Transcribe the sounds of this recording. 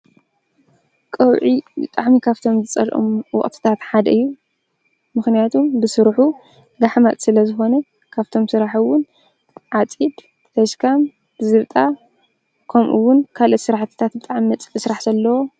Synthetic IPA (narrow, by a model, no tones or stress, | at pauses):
kʼɐwʕibɨ̰t̪ʼaʕmikʰaβt̪ʰo̞mzɨt͡sʼɐ̰lʔo̰mwɔ̰ʔʼt̪ʰɨ̥t̪ʰat̪ħad̪ɐʔɨjːu | mɨxnijat̪ʰumbɨsɨɾħu | ɡaħmat̪ʼsɨlɐzɨxo̞nɐ | kʰaβt̪ʰo̞msɨɾaħuwʊn | ʕat͡sʼid̪ | t̪ʰɐʃkʰam | b̥ɨzɨβt̪ʼa | kʰɐmʔuwʊnkʰalot̪sɨɾaħt̪ʰɨ̥t̪ʰat̪bɨt̪ʼaʕmiɐt͡sʼɨsɾaħzɐlːɐwo̞